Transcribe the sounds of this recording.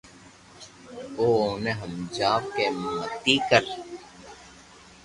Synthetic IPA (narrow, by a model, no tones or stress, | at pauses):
oːneɦəmd͡ʒaːʋ̚kemət̪ikəɾ